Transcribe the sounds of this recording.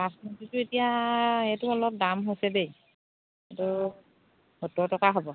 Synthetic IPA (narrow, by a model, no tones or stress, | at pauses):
asnutitʊetijaejtʊɔlɔp̚damɦojsɛbej | etʊ | hutɔtɔkaɦɔbɔ